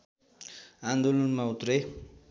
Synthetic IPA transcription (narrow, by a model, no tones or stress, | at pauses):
and̪olʌnmaut̪re